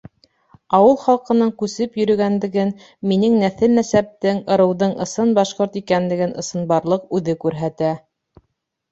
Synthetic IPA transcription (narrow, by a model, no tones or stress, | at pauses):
ɑwɤlˠχɑlˠqɤ̆nɤɴkʉsɘpjɵ̆ɾɵ̆ɡænd̪ɘ̆ɡɘn | minɘŋnæθɘlnæsæp̚t̪ɘŋɤ̆ɾɤ̆wðɤɴʔɤ̰̆sɤnbɑʃqoɾt̪ikænlɘ̆ɡɘnɤ̆sɤ̆nbɑɾlˠɤqʉðɘkʉɾɦæt̪æ